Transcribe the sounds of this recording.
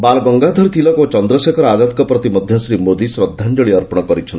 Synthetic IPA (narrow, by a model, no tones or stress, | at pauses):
balɡɔŋɡad̪ʱɔɾt̪ʰilɔkot͡ʃɔnd̪ɾɔsekʰɔɾɔad̪at̪kɔpɾɔt̪imɔd̪ʱjɔsɾimod̪isɾɔd̪ʱːand͡ʒɔɭiɔɾpɔɽ̃ɔkɔɾit͡ʃʰɔnt̪